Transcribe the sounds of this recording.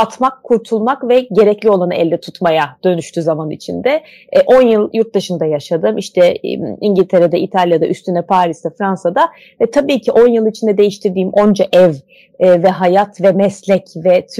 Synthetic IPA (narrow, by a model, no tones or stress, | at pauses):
at̪makʰːuɾt̪ʰulˠmakvɛɟe̞ɾɛclʲio̞lˠanɯɛlʲːɛt̪ʰut̪majad̪̥ø̞nyʃt̪ʰyzamanḭt͡ʃʰind̪ɛ | ʔo̞njɯlˠjuɾt̪̚d̪ɯʃɯnd̪ajaʃad̪ɯmiʃt̪ʰɛ̰iɲɟilʲt̪ʰe̞ɾɛd̪aʔit̪ʰalʲjad̪aʔyst̪ʰynɛpʰaːɾisd̪afɾansad̪a | ɛt̪ʰabiːcʰiʔo̞njɯlˠit͡ʃʰind̪ɛd̪e̞jiʃt̪ʰiɾd̪iːmʔo̞nd͡ʒaʔɛv | ɛvɛɦajat̪vɛmɛslʲɛcvɛt̪ʰ